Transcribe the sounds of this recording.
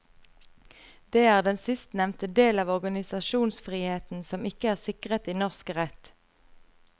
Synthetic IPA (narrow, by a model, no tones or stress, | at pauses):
d̪̥eːæːʁd̪ɛnsɪst̪nɛmnt̪əd̪eːlɑːʋɔʁɡɑnɪsɑʃuːnsfʁiːheːt̪n̩sɔmɪkəæːʁsɪkʁət̪iːnɔʁskʁɛt̪